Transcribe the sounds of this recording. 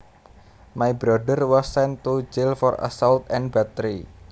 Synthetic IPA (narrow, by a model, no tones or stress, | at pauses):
majbɾadərwɔsːɛnt̪ud͡ʒɪlfɔra̰sɔlt̪ɛ̃nbat̪ɾi